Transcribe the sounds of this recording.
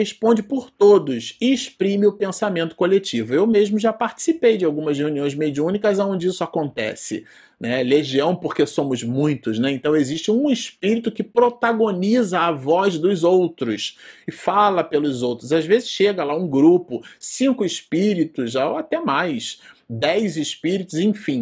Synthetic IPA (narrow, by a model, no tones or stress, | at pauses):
heʃpõd͡ʒɪpoɾt̪od̪ʊsɪːʃpɾĩmɪʊpẽsamẽnt̪ʊ̥kolet͡ʃivʊewmeʒmʊʒapaɾt͡ʃi̥sipejd͡ʒɪawɡũmɐzheuniõj̃zmed͡ʒiũnikɐzaõnd͡ʒɪisʊakõnt̪ɛ̰sɪ̰ | nɛleʒiɐ̃w̃poχkesõmʊzmũj̃t̪ʊznɛẽnt̪ɐ̃w̃eziʃt͡ʃɪũiʃpiɾit̪ʊkɪpɾot̪aɡonizɐːvɔzd̪ʊzowt̪ɾʊsɪfalɐpelʊzowt̪ɾʊzazvezɪsʃeɡɐlaũɡɾupʊsĩkʊɪʃpiɾit̪ʊzaat̪ɛmajsd̪ɛjzɪʃpiɾit̪ʊzẽj̃fĩ